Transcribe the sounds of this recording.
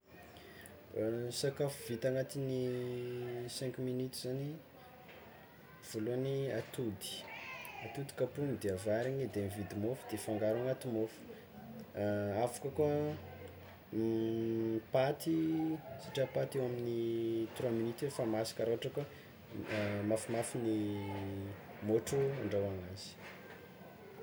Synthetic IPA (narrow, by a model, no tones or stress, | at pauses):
sakafuvit̪aŋat̪ini | sɛ̃ŋkuminit̪uzani | v̥oluaniat̪ud̪i̥at̪ud̪i̥kapunid̪eavaɾiɲid̪emivid̪imofu̥d̪̥efaŋɡaɾaŋat̪imofu̥ | avu̥kako | pat̪isiʈ͡ʂapat̪ewaminit̪ɾaminit̪efamasḁkaɾoaʈ͡ʂaka | mafimafini | moʈ͡ʂuaɳɖ͡ʐawaŋaz̥i̥